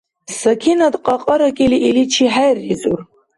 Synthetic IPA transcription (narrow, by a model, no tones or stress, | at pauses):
sakʲʰinadqʼaqʼəɾakʲʼiliʔilit͡ʃʰiħajrizʼur